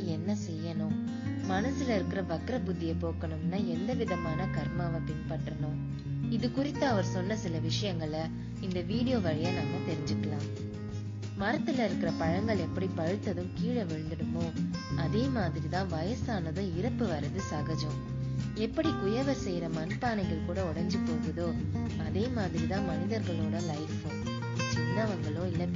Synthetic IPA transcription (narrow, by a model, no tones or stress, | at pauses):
ɛnːɐsɛjːɐnʊ̃ | mɐnɐsɯlɐɪɾɯkːɪɾɐʋɐkɪɾɐpʊðːɪjɐpoːkɐɳɯmnːaːɛnd̪ɐʋɪðɐmaːnɐkɐɾmaːʋɐpɪnpɐʈːɐɳʊ̃ | ɪðɯkʊɾɪt̪ːɐɐʋɐɾsɔnːɐsɪlɐʋɪʂɐjɐŋɡɐɭ | ɪnd̪ɐʋiːɽɪjoːʋɐɻɪjɐnaːmɐt̪ɛɾɪ̃ɲd͡ʒɯkːɐɭãːm | mɐɾɐt̪ːɪlɐɪɾɯkːɪɾɐpɐɻɐŋɡɐɭɛpːɐɽipɐɻɯt̪ːɐðɯ̃mkiːɻɐʋɛɻnd̪ɐɽɯmoːɐðeːmaːðɪɾit̪ãːʋɐjɐsaːnɐðʊ̃ɪɾɐpːɯʋɐɾɐðɯsɐɣɐd͡ʒɐ̃ | ɛpːɐɽikʊjɐʋɐɾsɛjɾɐmɐnpaːnɐɪɣɐɭkuːɽɐɔɽɐɲd͡ʒɯpːoːɣɐðoː | ɐðeːmaːðɪɾit̪ãːmɐnɪðɐɾɣɐɭoːɽɐlɐɪfõː | t͡ʃɪnːɐʋɐŋɡɐɭõːɪlːɐ